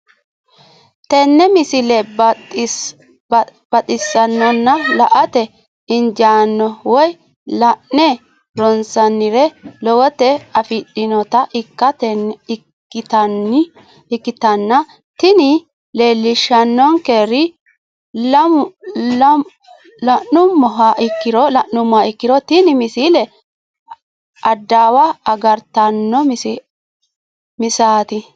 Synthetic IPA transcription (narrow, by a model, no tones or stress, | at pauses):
t̪ɛnːɛmɪsɪlɛ | b̥ɐt̪ʼɪsːɐnːɐnːɐlɐʔɐt̪ɛ | ɪnd͡ʒaːnːɔwɔj | lɐʔnɛ | ɾɔnsɐnːɪɾɛlɔwɔt̪ɛɐfɪɗɪnɔt̪ɐʔɪkːɐt̪ɛ | ɪt̪ɐn | ɪkːɪt̪ɐnːɐ | t̪ɪnɪ | le̞ːlːɪʃɐnːɔŋkeːɾɪ | l | l | lɐʔʊmːɔɦaʔɪkːɪɾɔlɐʔnːʊmːaɪkːɪɾɔt̪ɪnɪmɪsilɛ | ɐd̪ːaːwɐːɡɐɾt̪ɐnːɔms | mɪsaːt̪ɪ